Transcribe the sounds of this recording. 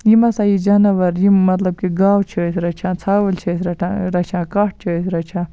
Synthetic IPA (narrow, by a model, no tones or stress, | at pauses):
jimɐsajid͡ʒɐnɐʋɐɾjimɐt̪lɐb̚kiɡaːwt͡ʃʰəsɾɐt͡ʃʰãːt͡sʰaːwɐlt͡ʃʰɐsɾɐʈʰaɾɐt͡ʃʰãːkaːʈ̚t͡ʃʰəsɾɐt͡ʃʰãː